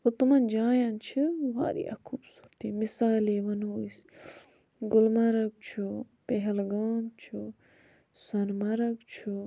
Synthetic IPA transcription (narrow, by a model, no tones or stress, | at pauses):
ot̪umɐnd͡ʒaːjant͡ʃʰiʋa̰ːɾḭjɐ̰kʰubsuɾt̪imisaːleːʋɐnuis | ɡulmɐɾɐɡ̚t͡ʃʰu | peɦelɡaːnt͡ʃʰu | sɐnmɐɾɐkt͡ʃʰu